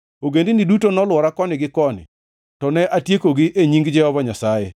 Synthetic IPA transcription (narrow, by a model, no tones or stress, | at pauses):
oɡendɪnidutonɔlwɔɾakɔnɪɡɪkɔnɪ̰ | tɔnɛʔatjekoɡɪʔeɲiŋɡd͡ʒɛhɔbaɲasajɛ